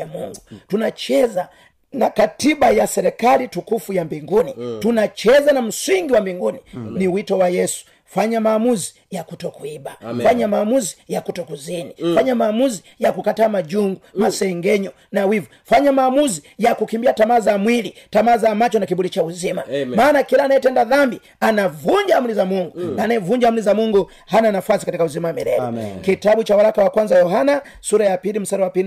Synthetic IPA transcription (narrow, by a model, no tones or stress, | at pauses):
amuŋɡutunat͡ʃɛza | nakatibajasɛɾɛkalitukufujambiŋɡunitunat͡ʃɛzanam̩siŋɡiwambiŋɡuniniwitɔwajɛsu̥ | faɲamaːmuzi̥ | jakutɔkuibafaɲamaːmuzijakutɔkuzinifaɲamaːmuzi | jakukataːmad͡ʒuŋɡumasɛŋɡɛɲɔ | nawivu | faɲamaːmuzijakukimbiatamazamwilitamazamat͡ʃɔnakiɓulit͡ʃauzimamaːnakilaːnaɛtɛndaðambi | anavuɲd͡ʒamulizamuŋɡunaːnaɛvuɲd͡ʒamulizamuŋɡu | hananafwasikatikauzimawamḭlɛ̰ɔkitaɓut͡ʃawalakawakwanzajɔɦana | suɾajapilim̩saɾiwapin